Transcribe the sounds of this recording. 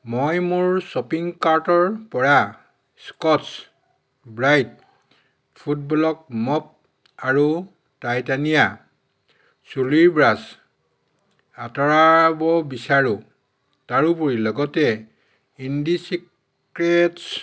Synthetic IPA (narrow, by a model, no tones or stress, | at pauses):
mojmuɹsɔpiŋkaɹtɔɹpɔɹa | skɔts | bɹajt̚ | pʰut̚bɔlɔk̚mɔp̚ | aɹu | tajtanija | suliɹbɹas | atɔɹabɔbisaɹu | taɹupuɹilɔɡɔtɛ | indisik | ɹets